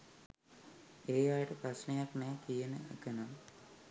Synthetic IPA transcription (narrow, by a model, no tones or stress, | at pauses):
eːjajəʈəprasnejaknɛːkijənəʔekənam